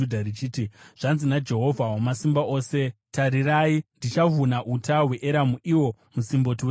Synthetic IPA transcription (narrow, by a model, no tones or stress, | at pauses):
udʱarit͡ʃiːtiʐ̥anzinad͡ʒe̞ɦo̞vʱawamasimbaʔo̞ːse̞taɾiraːindit͡ʃavunaʔutawe̞ʔeɾamuʔiwo̞musimbo̞t̬iwe